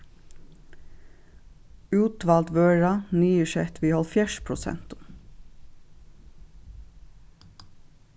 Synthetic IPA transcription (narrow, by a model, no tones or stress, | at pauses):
ʉːt̪ʋɑːlt̪ʋøːɹɑnyːəʃɛt̪ʰʋiːhɔlfjæʃpʰɹʊsɛ̰nt̪ʊ̥m